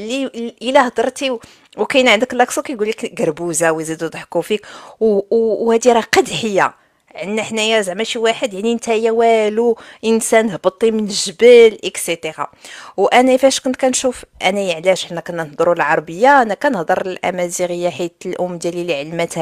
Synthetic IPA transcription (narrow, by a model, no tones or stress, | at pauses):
liəlæhd̪əɾˤt̪iw | wkæjənʕənd̪əklɑksˤukæjɡulːikɡɑɾˤbuzawzid̪ud̪ˤħkufik | hæd̪iɾæqɑd̪ħəjːa̰ | ʕənːæħnæjæzʕmæʃiwaħəd̪jaʕnint̪æjæwæluʔənsænhbət̪ˤːimənʒbəlʔəkset̪ˤeʁɑ̰wʔænæfæʃkʊnt̪̚kænʃufʔænæjəʕlæʒħənːækænənəhd̪ˤɾulʕɑɾˤbəjːaænːækænəhd̪ˤəɾˤəlʔæ̰mæziɣəjːaħit̪əlʔʊmːd̪jæliliʕəlmæt̪hæ